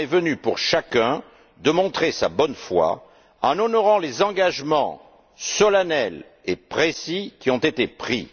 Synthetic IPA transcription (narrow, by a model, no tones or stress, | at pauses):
ɛvənypuʁʃakɛ̃ | d̪əmɔ̃t̪χesa̰bɔnfwa̰ | ɑ̃nɔnɔʁɑ̃lezɑ̃ɡaʒmɑ̃ | sɔlanɛl | epχesikʲiɔ̃t̪et̪epχḭ